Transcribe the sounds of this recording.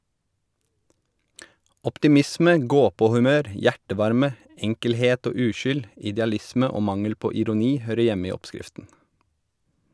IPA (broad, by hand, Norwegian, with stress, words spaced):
ɔptɪˈmɪsmə ˈɡoːˌpoːhʉˌmøːɾ ˈjæʈəˌʋɑɾmə ˈɛŋkəlˌheːt ˈoː ˈʉːˌʃʏl ɪdɛɑˈlɪsmə ˈoː ˈmɑŋəl ˈpoː ɪɾʊˈniː ˈhøːɾə ˈjɛm ˈiː ˈɔpˌskɪftn̩